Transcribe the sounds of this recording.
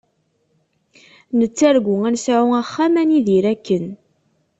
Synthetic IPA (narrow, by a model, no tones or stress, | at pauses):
nət͡sːæɾɡʷʊænsʕʊæχːamæniðiɾækːən